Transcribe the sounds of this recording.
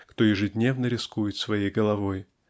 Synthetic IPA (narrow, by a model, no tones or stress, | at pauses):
kt̪ɔjɪʐɨd̪ʲnʲɛvnəɾʲɪskujɪt̪svajejɡɐlˠavoj